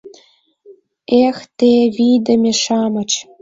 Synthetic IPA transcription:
ext̪eβid̪ə̆mʲĕʃɑmɤ̆t͡ɕ

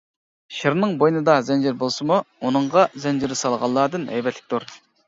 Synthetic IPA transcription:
ʃeɾnɨŋbojnɨd̪ɑzɛnd͡ʒɪɾbolˠsɨmuunɨɴʁɑzɛnd͡ʒɪɾɪsɑlˠʁɑlˠːɑːd̪ɨnɛ̰jbɛt̪ʰlɪ̥k̚ʲt̪uɾ

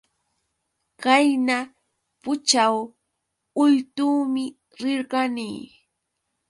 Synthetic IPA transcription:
kajna | pʊt͡ʃaw | ʊjt̪uːmɪ | ɾɪɾɢaniː

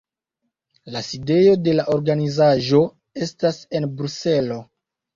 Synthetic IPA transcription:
laside̞jo̞de̞laʔo̞ɾɡanizaʒo̞ | e̞stase̞nbɾuse̞lo̞

